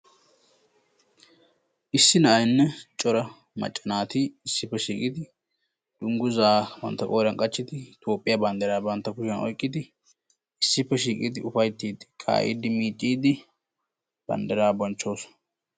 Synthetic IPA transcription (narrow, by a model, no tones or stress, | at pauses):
ʔɪsːɪnɐʔɐjnːɛt͡ʃʼɔɾɐ | mɐ̰t͡ʃʼːɐnaːt̪iːɪsːɪpːɛʃiːkʼɪd̪ɪ | d̪̥ʊŋɡʊzaːwɐ̰nt̪ːɐkʼoːɾɐŋkʼɐt͡ʃːɪt̪ɪt̪ʰo̞ːpʼːɪjabɐnd̪ɛɾaːbɐnt̪ːɐkʊʃɛnɔ̰jkʼːɪd̪ɪ | ɪsːɪpːɛʃiːkʼɪd̪ɪʔʊfɐjt̪ːiːd̪ɪkʼa̰ːʔḭːd̪ɪmiːt͡ʃʼːiːd̪ɪ | b̥ɐ̰nd̪ɛɾaːbɔnt͡ʃːoːsɔ̥